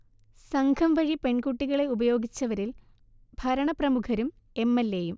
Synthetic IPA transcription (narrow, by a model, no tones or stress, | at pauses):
sɐŋɡʱɐmʋɐɻipe̞ɳkuʈːiɣɐɭe̞ubɐjo̞ːɡit͡ɕːɐʋɐɾil | bʱɐɾɐɳɐprɐmukʰɐɾum | e̞mːelːejum